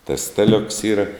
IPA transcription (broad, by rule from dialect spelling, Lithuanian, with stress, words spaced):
tɐs ˈstɑːˌlʲʊks ˈiːrɐ